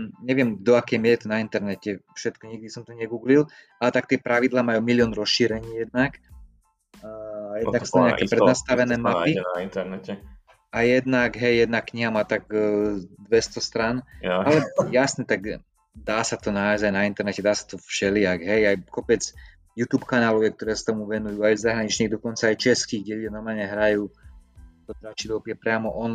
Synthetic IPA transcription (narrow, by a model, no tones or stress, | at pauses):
ɲɛʋɪɛmd̪ɔakɛjmɪɛɾɛt̪ɔnaint̪ɛɾnɛcɛfʃɛt̪kɔɲiɡ̚d̪isɔmt̪ɔɲɛɡuːɡlil | ʔalɛt̪ak̚t̪ɪɛpɾaʋid̪laːmajuːmilɪɔnɾɔsʃiːɾɛɲiːjɛd̪̚nak | jɛd̪naksɔaɲɲakɛpɾɛnast̪aʋɛnɛːmapiaint̪ɛɾnɛcɛ | ajɛd̪naɡɦɛjːɛd̪nakːɲiɦamaːt̪aɡ | d̪ʋɛst̪ɔst̪ɾanalɛjasnɛt̪aɡ | d̪aːsat̪ɔnaːjzajnaint̪ɛɾnɛcɛd̪aːsḁt̪ɔfʃɛlɪaɡɦɛjajkɔpɛd͡z | juːt̪uːpkanaːlɔjɛk̚t̪ɔɾɛːsḁt̪ɔmuʋɛnujuːajzaɦɾaɲit͡ʃɲiːɣd̪ɔkɔnt͡saːjt͡ʃɛskiɡɟɛluɟanɔɾmaːlɲɛɦɾajuː | t̪ɔd̪ɾat͡ʃid̪ɔpɪɛpɾɪamɔʔɔn